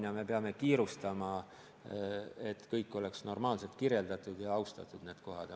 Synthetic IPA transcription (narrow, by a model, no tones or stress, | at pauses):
jɑme̞peɑme̞kiːɾust̪ɑmɑ | e̞t̪ːkɤjkːˑo̞le̞ksno̞rmɑːlselt̪kirje̞ld̪ɑt̪ːˑud̪̥jɑɑwst̪ɑt̪ːˑud̪̥ne̞ːd̪̥ko̞ɦɑd̪̥